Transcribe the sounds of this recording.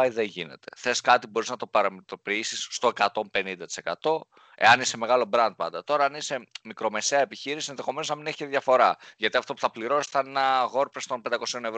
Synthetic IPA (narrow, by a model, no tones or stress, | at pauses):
iðeɲʝine̞̰t̪e̞̥θe̞skɐt̪ibo̞ɾiznɐt̪o̞pɐɾɐmet̪o̞piisisːt̪oe̞kɐt̪o̞mpe̞nind̪ɐt̪ise̞kɐt̪o̞ | e̞̰ɐnise̞me̞ɣɐlo̞bɾɐnd̪̚pɐ̰nd̪ɐt̪o̞ɾɐɐnise̞mikɾo̞me̞se̞ɐepiçiɾisie̞nðexo̞menoznɐmineçi̥ceðʝɐfo̞ɾɐʝɐt̪iɐft̪o̞pu̥θɐpliɾo̞si̥θɐnenɐɣo̞ɾpɾest̪o̞npe̞nd̪ɐko̞sio̞nevɾ